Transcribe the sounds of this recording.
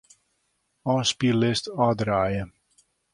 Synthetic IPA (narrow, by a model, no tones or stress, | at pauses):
ɔːspilɪstɔːdraːjə